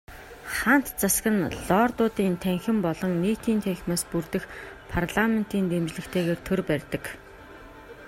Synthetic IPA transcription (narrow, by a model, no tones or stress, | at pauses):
χan̥t̪t͡sasɡə̆nɮɔːrt̪ʊːt̪iːnt̪ʰæŋxɘ̆mpɔɮɞ̆ŋniːt̪ʰiːnt̪ʰæŋxʲmaːspurt̪ɘ̆x | pʰarɮamen̥t̪iːnt̪emt͡ɕɮɘ̆kt̪ʰeːɣeːrt̪ʰɵrpærʲt̪ə̆k